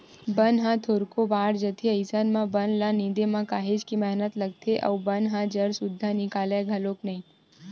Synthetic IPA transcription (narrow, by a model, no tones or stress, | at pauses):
bɐnɦãt̪ʰoːɾkobaːɽd͡ʒət̪ʰeɐɪsənmãbɐnlaniːd̪emãkaːɦed͡ʒkimɛɦnət̪lɐɡ̚t̪ʰeʔɔ̰ːbɐnɦãd͡ʒɐɾsʊd̪ʱːanɪkaːleɡʱɐlõːknɐɦĩː